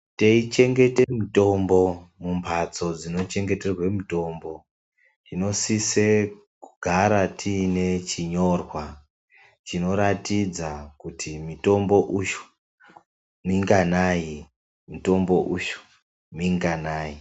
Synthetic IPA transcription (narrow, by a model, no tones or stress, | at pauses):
teit͡ʃe̞ŋɡe̞temito̞mbo̞mumpʰat͡so̞d͡zino̞t͡ʃe̞ŋɡe̞te̞rwe̞muto̞ːmbo̞ | tino̞sise̞ | kuɡʱaɾatʰiːne̞t͡ʃiɲo̞rwa | t͡ʃino̞ɾatid͡zakutʰimito̞mbo̞ʔuʃu̥ | miŋɡanaji | mito̞mbo̞ʔuʃu̥ | miŋɡanaːji